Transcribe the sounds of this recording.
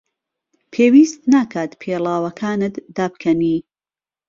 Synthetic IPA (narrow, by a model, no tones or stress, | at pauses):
pʰeːwiːst̪naːkʰaːt̪pʰeːlaːwɐkʰaːnɨt̪d̪aːb̚kʰɐniː